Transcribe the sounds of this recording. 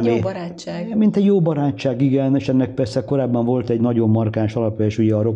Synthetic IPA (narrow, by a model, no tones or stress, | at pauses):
ni | mint̪ɛɟjoːbɒɾaːt͡ʃːaːɡiɡɛneːʃɛnːɛk̚pɛrsɛko̞ɾaːbːɒɱvo̞lt̪ɛɟnɒɟo̞mːɒrkaːnʃɒlɒpjɒeːʃuɟɛɒɾo̞